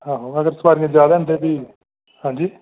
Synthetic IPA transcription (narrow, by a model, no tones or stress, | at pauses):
ɦãːɦoːəɡəɾsəbaːɾiŋẽd͡ʒjaːd̪nd̪eːb̪iː | hãːɲd͡ʒiː